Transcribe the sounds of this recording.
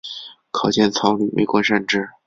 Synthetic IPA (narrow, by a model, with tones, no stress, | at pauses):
kʰɑ˨˩ʊt͡ɕjɛ˥˩nt͡sʰɑ˧˥ly˨˩mʔḛ˨˩ɪkwɔ˧˥ʂa˥˧nʈ͡ʂɻ̩˥˩